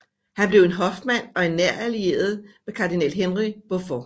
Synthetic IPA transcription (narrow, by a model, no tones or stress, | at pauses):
hænb̥le̝ʊe̝nɦɒ̽fd̥mæn̰ɒ̽e̝nːæɐ̰ælie̝̰ːɐð̞̩ˠʋe̝kʰɑ̈d̥inɛlɦenʁib̥ofɒ